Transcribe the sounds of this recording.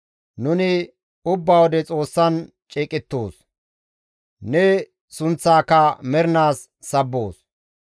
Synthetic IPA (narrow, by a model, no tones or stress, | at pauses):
nʊnɪ | ʊbːaːwɔd̪ɛt͡sʼo̞ːsːɐn | t͡ʃʼɛːkʼɪt̪ːo̰ːs | nɛ | sʊnt͡sːaːkːɐmɛɾɪnaːsː | ɐbːo̰ːs